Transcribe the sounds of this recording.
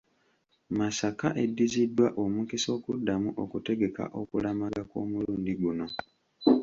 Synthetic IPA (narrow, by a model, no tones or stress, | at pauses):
masakaʔe̞dːizidːwaʔomukiso̞ːkudːamuʔo̞kute̞ɡe̞ka̰ʔo̞kulamaɡako̰ːmuluːndiɡuno̞